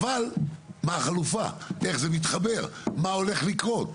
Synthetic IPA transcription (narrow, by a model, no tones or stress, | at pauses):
valmaχalufa̰e̞χze̞mit̪χabe̞ʁmao̞le̞χlikʁo̞t̪